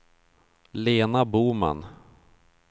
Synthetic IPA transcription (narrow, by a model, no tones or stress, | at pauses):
leːnabuːma̰n